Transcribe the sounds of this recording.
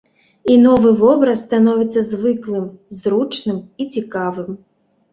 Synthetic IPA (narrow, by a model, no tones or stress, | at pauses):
inɔvɨvɔbɾɐsːt̪anɔvʲɛt̪sːɐzvɨklˠɨmzɾut͡ʂnɨmit͡sʲikavɨm